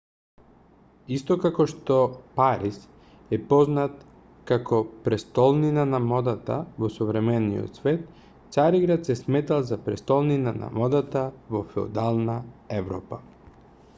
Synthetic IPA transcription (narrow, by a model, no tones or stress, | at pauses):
ist̪ɔkakɔʃt̪ɔpaɾis | ɛpɔznat̪ | kakɔpɾɛst̪ɔlˠninanamɔd̪at̪a̰vɔsɔvɾɛmɛnḭjo̰t̪svɛt̪ | t̪saɾiɡɾat̪sɛsmɛt̪alˠzapɾɛst̪ɔlˠninana̰mɔd̪at̪avɔfɛo̰d̪alˠnaɛvɾɔpa